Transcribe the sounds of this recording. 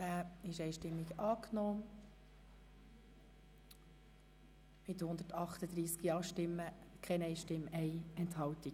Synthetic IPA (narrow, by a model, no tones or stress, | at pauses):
æːɪʃɛɪʃtɪmːiɡɑːknɔː | mɪt̪hʊnd̪ətɑχt̪əd̪ɾiːskiɑːʃtɪmːəkʰɛnɛɪʃtɪmːɛjɛnthɑwt̪i